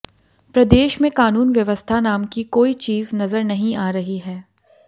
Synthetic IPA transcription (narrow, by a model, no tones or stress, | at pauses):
pɾɐd̪eːʃmẽkaːnuːnʋjɐʋəst̪ʰanaːmkikoːit͡ʃiːznɐzəɾnɐɦĩʔaːɾɐɦiɦɛː